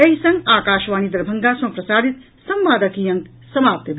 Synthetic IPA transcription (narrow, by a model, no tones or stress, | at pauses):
ɐɦisɐŋɡaːkaːʃʋaːnid̪ɐɾbʱɐŋɡaːsɐ̃mpɾɐsaːd̪ʱit̪ | sɐmʋaːd̪ɐkiːjɐŋk | sɐmaːp̚t̪jɐb